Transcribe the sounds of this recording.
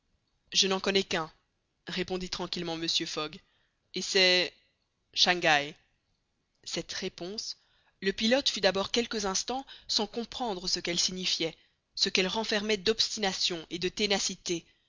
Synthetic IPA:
ʒənɑ̃kɔnɛkɛ̃ | ʁepɔ̃d̪it̪χɑ̃kʲilmɑ̃məsjøfɔɡ | esɛ | ʃɑ̃ɡaj | sɛt̪ʁepɔ̃s | ləpilɔt̪fyd̪abɔʁkʲɛlkəzɛ̃st̪ɑ̃sɑ̃kɔ̃pχɑ̃d̪ʁəsəkɛlsiɲifjɛ | səkɛlʁɑ̃fɛʁmɛd̪ɔpst̪inasjɔ̃ʔed̪ət̪enasit̪e

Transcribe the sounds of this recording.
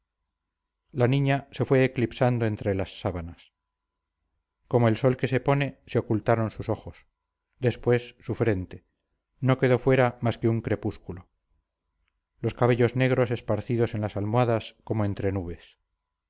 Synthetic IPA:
lanĩɲase̞fwe̞ːklipsand̪oe̞nt̪ɾe̞lasːaβanas | ko̞moe̞lso̞lke̞se̞po̞ne̞seo̞kult̪aɾonsuso̞χos | d̪e̞spwe̞sːufɾe̞nt̪e̞ | no̞ke̞ðo̞fwe̞ɾamaske̞uŋkɾe̞puskulo | lo̞skaβ̞e̞ʎo̞zne̞ɣɾo̞se̞spaɾθiðo̞senlasalmwaðasko̞moe̞nt̪ɾe̞nuβ̞e̞s

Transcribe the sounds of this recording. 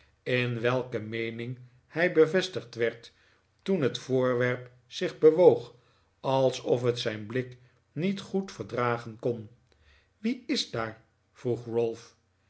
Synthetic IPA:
ɪnʋɛlˠkəmejnɪŋ | hɛjbəvɛstəχtʋɛɹt | unɦətfʊːɹʋɛɹp | sɪχbəʋowχ | ɑlˠsɔfɦətsɛjnblɪk | nitχutfəɹdraːχənkɔn | ʋiɪzdaːɹ | v̥ruχrɔlˠf

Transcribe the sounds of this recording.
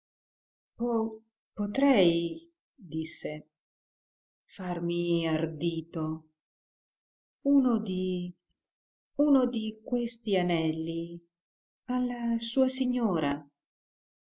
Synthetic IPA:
pɔ | pot̪ɾɛj | d̪isːe | farmiard̪iːt̪o | uːnod̪i | unod̪ikwest̪ianɛlːi | alːasuːasiɲːoːɾa

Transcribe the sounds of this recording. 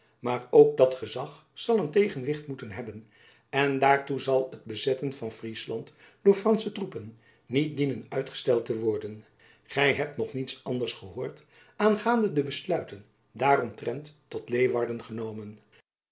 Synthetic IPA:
maːrowk̚dɑtχəzɑχ | sɑlˠəntejχənʋɪχtmutənɦɛbən | ɛndaːɹtuzɑlˠəd̚bəzɛtənvɑnfrislɑnt | dʊːɹfrɑnsətrupənː | it̚dinənœɥtχə̥stɛlˠtəʋɔɹdən | χɛjɦɛp̚tnɔχnitsɑndəɹsχəɦʊːɹt | ʔaːnχaːndədəbəslœɥtən | daːrɔmtrɛntː | ɔtlejʋɑɹdənχənowmən

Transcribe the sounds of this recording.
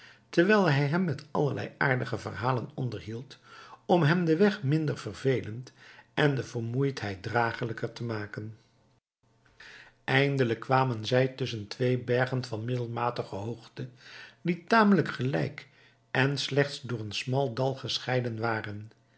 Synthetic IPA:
təɹʋɛjlˠɦɛjɦɛmːɛtɑ̰ləɹlɛ̰ja̰ːɹdəχəvə̰rɦaːlənɔndəɹɦilˠtɔmɦɛmdəʋɛχmɪndəɹv̥ərvejləntɛndəvəɹmujtɦɛjt̚draːχələkəɹtəmaːkən | ʔɛjndələkːʋaːmənzɛjtʏs̬əntʋejbɛɹχənvɑnmɪdəlˠmaːtəχəɦoχtəditaːmələkχəlɛ̰jk | ɛnslɛχtsdʊːɹənsmɑlˠdɑlˠχəsχɛjdənʋaːrən

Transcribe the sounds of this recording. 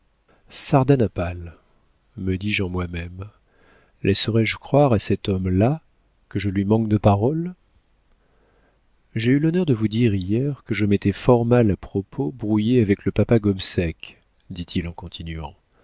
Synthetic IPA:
saʁd̪anapal | məd̪iʒɑ̃mwamɛm | lʔɛsəʁɛʒkχwaʁasɛt̪ɔmla | kəʒəlɥimɑ̃k̚d̪əpaʁɔl | ʒeylɔnœʁd̪əvud̪iʁijɛʁkəʒəmet̪ɛfɔʁmalapχɔpʰobʁujeavɛkləpapaɡɔbsɛk | d̪it̪ʰilɑ̃kɔ̃t̪ʰinɥɑ̰̃

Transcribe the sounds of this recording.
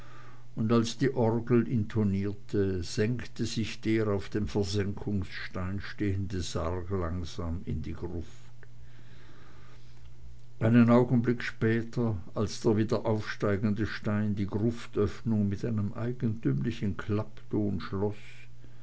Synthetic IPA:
ʊndalsd̥iːʔɔʁɡl̩ʔɪntʰoniːɐtʰəz̥ɛŋktəzɪçd̥eːʁaʊfd̥eːmfɛɐzɛŋkʰʊŋsʃtaɪnʃteːəndəzaʁklaŋz̥aːmɪ̰ndiːɡ̥ʁʊf | t | ʔaɪnənaʊɡn̩blɪkʃpɛːtʰɐ | alsd̥eːɐviːdɐʔaʊfʃtaɪɡən̩dəʃtaɪndiːɡʁʊftʔœfnʊŋmɪtʔaɪnəmʔa̰ɪɡən̩tyːmlɪçən̩kʰl̥apd̥ʰoːnʃlɔs

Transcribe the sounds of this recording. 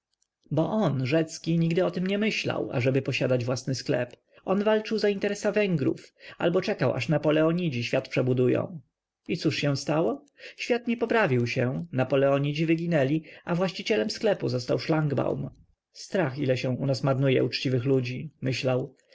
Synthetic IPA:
bɔʔɔnʐɛt̪skʲiɲiɡd̪ɘɔt̪ɘmɲɛmɘɕla̰wa̰ʐɛbɘpɔɕad̪ad͡ʑvwasnɘsklɛ̰p | ɔnvalt͡ʂɘwzaint̪ɛɾɛsavɛŋɡɾṵfa̰lbɔt͡ʂɛkawʔa̰ʂnapɔlɛɔɲid͡ʑiɕfʲjat̪̚pʂɛbud̪ujɔ̰̃w̃ | it̪suʂɕɛ̃w̃st̪awɔ | ɕfʲjat̪ɲɛpɔpɾavʲiwɕɛnapɔlɛɔɲid͡ʑivɘɡʲinɛlʲiavwaɕt͡ɕit͡ɕɛlɛmsklɛpṵzɔst̪awʂlaŋɡba̰wm | st̪ɾaxilɛɕɛ̃unasmaɾnujɛ̰ut͡ʂt͡ɕivɘxlud͡ʑimɘɕlaw

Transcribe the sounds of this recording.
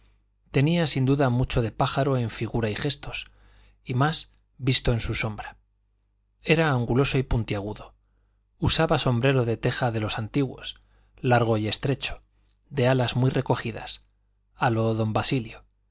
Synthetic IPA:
t̪e̞niasind̪uðamut͡ʃo̞ðe̞paxaɾo̞e̞ɱfiɣuɾaixe̞st̪o̞s | imas | bist̪o̞ensuso̞mbɾa | e̞ɾaːŋɡulo̞so̞ipunt̪jaɣ̞uðo̞ | usaβaso̞mbɾe̞ɾo̞ðe̞t̪e̞xaðe̞lo̞sant̪iɣwo̞̰s | laɾɣ̞o̞je̞st̪ɾe̞t͡ʃo̥ | ðe̞alazmwijre̞ko̞xiða̰s | alo̞ðo̞mbasiljo

